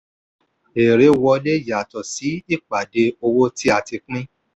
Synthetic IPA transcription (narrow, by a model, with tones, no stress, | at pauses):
e˨ɾe˨˦wɔ˧le˦˨ja˨tɔ˨si˨˦i˦˨k͡pa˨de˧o˧wo˦ti˦a˧ti˧k͡pĩ˦